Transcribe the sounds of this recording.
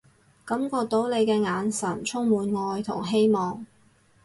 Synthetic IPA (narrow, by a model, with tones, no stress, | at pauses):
kɐ˨˥mkɔː˧k̚t̪o˨˥wle˨˧jkɛː˧ŋaː˨˧nsɐ˨˩nt͡sʰʊ˥ŋmuː˨˧nŋɔː˧jt̪ʰʊ̰˨˩ŋɦe˥jmɔː˨ŋ